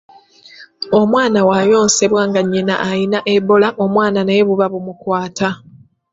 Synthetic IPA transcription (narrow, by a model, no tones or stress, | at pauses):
o̞mwaːnawajo̞ːnse̞βwaːŋɡaɲːina̰ʔajinaʔeβo̞laʔo̞mwaːnaneeβuβaβumukwaːta